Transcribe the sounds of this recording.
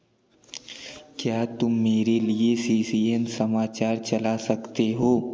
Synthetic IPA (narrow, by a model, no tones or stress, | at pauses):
kjaːt̪ʊmːeːɾeliesiːsiːɛmsɐmaːt͡ʃaːɾt͡ʃɐlasɐkt̪eɦoː